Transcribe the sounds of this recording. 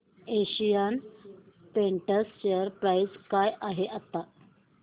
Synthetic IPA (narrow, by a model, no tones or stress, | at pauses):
eɕijan | peɳʈəsɕeəɾpɾajskajʔaɦeʔat̪ːa